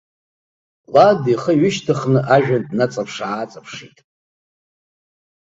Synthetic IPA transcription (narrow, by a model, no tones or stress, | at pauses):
ladiχəɥɪʃtʰɨχnɨʔaʒᶣandnat͡sʼapʰʂaːt͡sʼapʰʂitʼ